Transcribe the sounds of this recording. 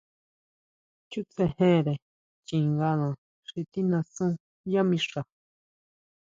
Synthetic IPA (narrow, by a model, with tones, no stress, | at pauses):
t͡ʃu˦t͡se˧hẽ˦˨ɾe˨ | t͡ʃĩ˨ŋɡa˧nã˨ | ʂi˧t̪i˦nã˧sũ˦ | ja˦mĩ˧ʂa˨